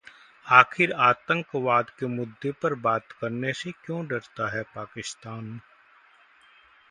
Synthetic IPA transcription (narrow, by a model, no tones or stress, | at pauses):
aːxʰɪɾaːt̪ə̃ŋkʋaːd̪kemʊd̪ʱːepɐɾbaːt̪kɐɾnesekjõːɖɐɽt̪aɦɛpaːkɪst̪aːn